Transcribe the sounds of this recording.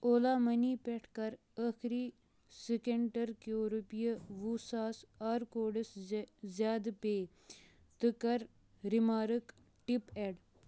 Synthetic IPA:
oːlaːmɐniːpeʈʰkɐɾ | əxʰɾiː | sikeɳʈɐɾkioːɾupijəʋusaːsaːɾkoːɖɐszjaːd̪peː | t̪ɨkɐɾ | ɾimaːɾɨk | ʈipeɽ

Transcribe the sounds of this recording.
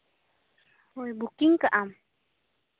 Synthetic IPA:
ojbʊkɪŋkaʔam

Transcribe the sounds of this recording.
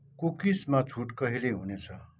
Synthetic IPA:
kukismat͡sʰuʈkʌɦileɦunet͡sʰʌ

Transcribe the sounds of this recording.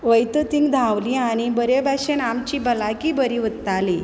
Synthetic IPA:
ʋəjt̪ət̪ĩŋɡd̪ʱãʋliañibəɾebaɕenamt͡ɕiːbəlakibəɾiʋət̪ːali

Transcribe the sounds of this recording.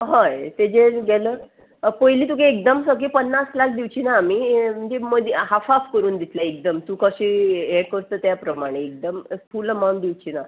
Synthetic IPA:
ɦajt̪ed͡ʑeɡɛləː | pəɦiliːt̪ukeek̚d̪əmsəkepənːaslak̚ʰd̪iʋt͡ɕinaːmim̤əɳd͡zem̤əd̪ʱɦafafkəɾuːnd̪it̪laek̚d̪əmt̪ukəɕieɽkəɾt̪əːt̪japɾəmaɽ̃eːk̚d̪əmpʰulmand̪iwt͡ɕina

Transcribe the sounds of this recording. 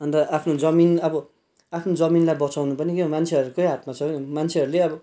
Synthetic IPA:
ʌnt̪ʌʔapʰnod͡zʌminʌbʌ | apʰnod͡zʌminlajbʌt͡sawnupʌnikeõmant͡sʰeʌɾukʌjɦat̪mat͡sʰʌ̃mant͡sʰeʌɾuleʌbʌ

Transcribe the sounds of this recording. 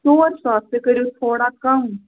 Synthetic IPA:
soːɾsaːst̪ekɐɾiut̪ʰoːɽakɐm

